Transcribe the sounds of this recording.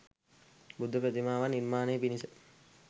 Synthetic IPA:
bud̪ʱːəpɾət̪imaːʋanːiɾmaːnejpinisə

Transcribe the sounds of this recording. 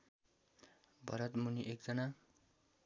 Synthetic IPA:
bʱʌɾʌt̪muniʔek̚d͡zʌna

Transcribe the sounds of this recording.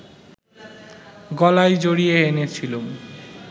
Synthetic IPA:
ɡɔlajd͡ʑoɽieenet͡ɕʰilom

